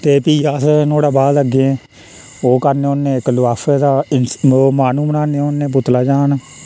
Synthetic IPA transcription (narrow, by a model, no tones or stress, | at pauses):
t̪eːpiːasnoːɽaːbaːd̪əɡeẽː | oːkəɾneːʊnːẽːɪklʊaːfʰeːd̪aːɪnomaːnũːmənaːneːonːẽːpʊt̪laːd͡ʒaːn